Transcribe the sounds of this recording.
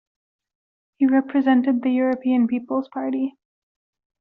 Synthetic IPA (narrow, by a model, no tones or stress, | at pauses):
hiɹɛpʰɹɨzɛ̃ntɨd̪̚ðɨjʊɹɨpʰiɨ̃npipl̩ˠz̥pʰɑɹɾi